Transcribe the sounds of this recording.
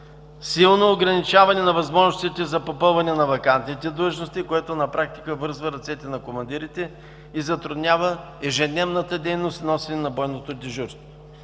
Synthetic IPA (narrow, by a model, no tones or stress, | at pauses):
silˠnoːɡɾɐnit͡ʃavɐnɛnɐvɐzmɔʒnost̪it̪ɛzɐpopɤlˠvɐnɛnɐvɐkant̪nit̪ɛd̪lˠəʒnost̪ikoɛt̪onɐpɾak̚t̪i̥kəvɤɾzvəɾɐt̪sɛt̪ɛnɐkomɐnd̪iɾit̪ɛ | izɐt̪ɾʊd̪nʲavə | ɛʒɛd̪nɛvnət̪əd̪ɛjnost̪nɔsɛnɛnɐbɔjnot̪od̪iʒuɾst̪vo